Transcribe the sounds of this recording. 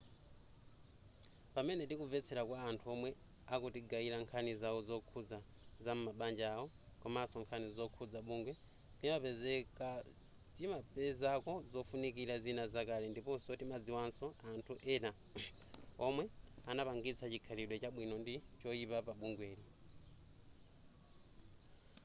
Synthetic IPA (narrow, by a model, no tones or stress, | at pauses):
pamɛnɛtikuvɛt͡sʰɛɾakwaːntʰuɔmwɛ | akutiɡaiɾaŋkʰanizaɔzɔkʰud͡za | zam̩umaɓand͡ʒaɔ | kɔmasɔŋkʰanizɔkʰud͡zaɓuŋɡwɛ | timapɛzɛka | timapɛzakɔzɔfunikiɾazinazakaɾindipɔnsɔtimad͡ziwansɔantʰuʔɛna | ɔmwɛanapaŋɡit͡sʰat͡ʃikʰaɾiɗwɛt͡ʃaɓwinɔndit͡ʃɔipapaɓuŋɡwɛːɾi